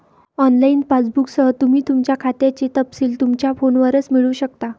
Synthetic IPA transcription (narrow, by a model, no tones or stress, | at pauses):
ɔnlainpat͡sbuksəɦət̪um̤iːt̪umt͡ɕjakʰat̪jat͡ɕit̪əpsiːlt̪umt͡ɕjafonʋəɾət͡smiɭuːɕəkt̪a